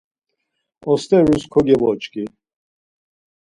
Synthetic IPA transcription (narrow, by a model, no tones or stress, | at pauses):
ɔst̪ɛɾuskʰɔɡɛvɔt͡ʃkʼi